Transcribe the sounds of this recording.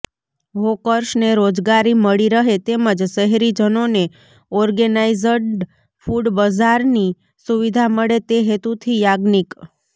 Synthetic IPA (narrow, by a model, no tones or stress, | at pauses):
ɦokəɾʃneɾod͡ʒɡaɾiməɭiɾəɦet̪eməd͡ʒʃəɦɾid͡ʒənone | ɔɾɡənaizəɖ | fuɖbəd͡ʒaɾni | suʋid̪ʱaməɭet̪eɦet̪ut̪ʰijaɡnik